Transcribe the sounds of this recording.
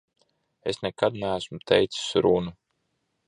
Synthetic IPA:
esnɛkad̪nææsmut̪ʰɛjt̪ssɾunu

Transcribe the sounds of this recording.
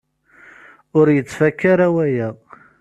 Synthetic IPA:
ʊɾjət͡sːfækːaɾawæjæ

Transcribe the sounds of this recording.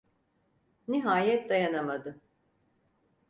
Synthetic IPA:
niɦaːjɛt̪̚d̪ajanamad̪ɯ

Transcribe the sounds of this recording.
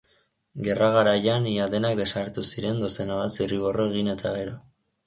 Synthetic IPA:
ɡe̞raɣaɾajaniad̪e̞nak̚d̪e̞saɾt̪usiɾe̞nd̪o̞se̞naβasiriβo̞ro̞e̞ɣ̞ine̞t̪ʰaɣ̞e̞ɾo̞

